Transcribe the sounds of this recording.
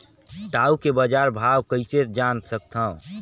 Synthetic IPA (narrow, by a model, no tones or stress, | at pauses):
ʈaːukebəd͡ʒaɾbʱaːwkəɪsed͡ʒansək̚t̪ʰã